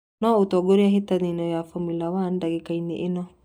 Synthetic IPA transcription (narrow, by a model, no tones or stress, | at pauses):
nɔotɔɡoɾiaɦitaninɔjafomilawandaɡekaineʔɪnɔ